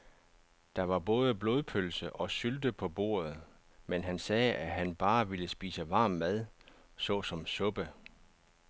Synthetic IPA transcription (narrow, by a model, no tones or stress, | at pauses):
d̥ɑ̈ʋɑ̈bɔ̽ːð̞ˠəb̥lo̝ːð̞ˠpʰølsəʔɒ̽syld̥əpʰɒ̽b̥o̝̰ːɐð̩ˠ | menɦænsɛːæɦænb̥ɑ̈ːʋiləsb̥ḭːsəʋɑ̈ːmːæðˠ | sɒ̽sɒ̽msɔ̽b̥ə